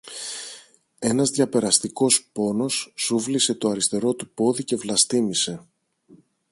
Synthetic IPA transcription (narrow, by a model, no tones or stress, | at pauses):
e̞nɐzðʝɐpe̞ɾɐst̪iko̞spo̞no̞sːuvlise̞t̪o̞ɐɾist̪e̞ɾo̞t̪upo̞ðice̞vlɐst̪imise̞